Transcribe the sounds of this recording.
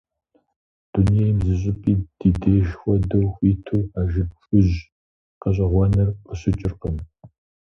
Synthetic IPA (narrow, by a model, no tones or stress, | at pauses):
d̥unijejmzɨɕ̬ʼɪpʼiːd̥iːdeːʒxʷɔdɐwxʷiːtʰuːaːʒɪb̚ɕʷʼʊʑ | qɐɕ̬ʼɐʁʷɐnɐrqəɕɪt͡ʃʼɪrqəm